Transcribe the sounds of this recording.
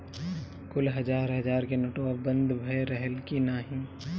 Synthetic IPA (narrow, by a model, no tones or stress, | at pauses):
kʊlɦɐd͡ʒaːɾɦɐd͡ʒaːɾkenoːʈoabɐ̃nd̪ʱbʱɐeɾəɦəlkinaːɦĩː